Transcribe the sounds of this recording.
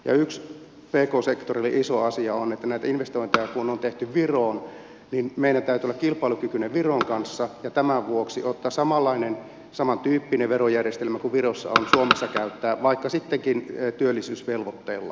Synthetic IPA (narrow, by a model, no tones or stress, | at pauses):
jɑ̰yks | peːkoːsekt̪orilḭʔisoɑsiɑonet̪ːænæit̪æinʋest̪oint̪ejɑkunont̪eht̪yʋʋiroːn | ninmeiɾænt̪æˑyt̪yolːɑkilpˑɑˑilukykyneʋʋiroŋkɑnsːɑjɑt̪æmæʋʋuoksiot̪ːɑːsɑmɑlːɑinen | sɑmɑnt̪yːpːineʋerojærjest̪elmækuʋʋirosːɑ̰o̰nsuomesːɑkæyt̪ːæːʋɑikːɑsit̪ːeŋkint̪yølːisyːsʋelʋot̪ːeːlːɑ̰